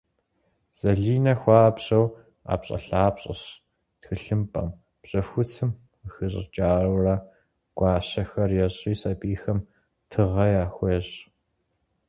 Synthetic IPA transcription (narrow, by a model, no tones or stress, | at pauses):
z̥ɐɮiːnɐxʷɑːpɕʼɐw | a̰ːpɕʼɐ̰ɬaːpɕʼɐ̰ɕ | txɨɬɨmpʼɐ̰m | pɕʼɐxʷʊt͡sʰɨm | xɨɕʼɪ̰t͡ʃʼaːrɐwrɐ | ɡ̥ʷɑːɕɐxɐrjɛɕʼiːsɐbiːxɐm | tʰɨʁɐjaːxʷeɕ